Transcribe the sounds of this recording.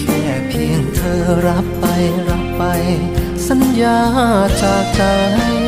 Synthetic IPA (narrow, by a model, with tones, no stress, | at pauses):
kɛː˧˩pʰi˧əŋt̪ʰɤː˧ɾa˦˥pːa˧jɾa˦˥pːa˧j | sa˧˦njaː˧t͡ɕaː˨˧˩k̚t͡ɕaː˧a˥